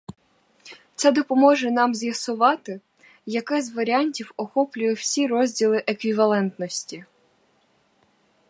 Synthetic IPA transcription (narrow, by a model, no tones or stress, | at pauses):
t̪sɛd̪ɔpɔmɔʒɛnɑmzʲjɐsʊʋɑt̪ɪ | jɐkɪzʲʋɐɾʲɑnʲtʲiwɔxɔplʲʊjɛw̥sʲiɾɔzʲdʲilˠɪʔekʋʲiʋɐlˠɛnt̪nɔsʲtʲi